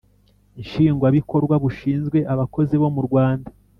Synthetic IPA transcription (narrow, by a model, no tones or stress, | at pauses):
inʃiːŋɡwaβiko̞ɾɡwaβuʃiːnzɡwe̞ʔaβako̞ziβo̞muɾɡwaːnda